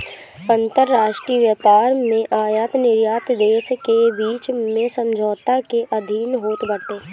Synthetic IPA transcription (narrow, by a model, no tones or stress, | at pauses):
ə̃nt̪əɾːaːʃʈɾiːəʋjəpaːɾmẽʔaːjaːt̪nɪɾjaːt̪d̪eːskebiːt͡ʃmẽsə̃md͡ʒʱɔːt̪akeʔɐd̪ʱiːnɦoːt̪bəɽt̪eː